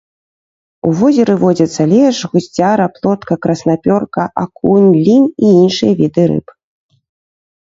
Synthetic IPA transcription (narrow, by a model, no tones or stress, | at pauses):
uvɔzʲɛɾɨvɔd͡zʲɐt̪sːɐlʲɛʂɣusʲt͡sʲaɾɐplˠɔt̪kɐkɾɐsnapʲɔrkɐʔakunʲlʲiniinʂɨjɐvʲid̪ɨɾɨ̰p